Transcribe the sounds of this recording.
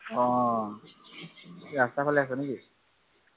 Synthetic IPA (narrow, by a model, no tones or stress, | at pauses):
ɔ̃ | ɹast̪apʰalɛas̬ɔneki